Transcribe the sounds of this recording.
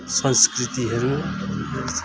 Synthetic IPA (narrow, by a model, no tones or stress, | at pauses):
sɔnskɾit̪iɦeɾ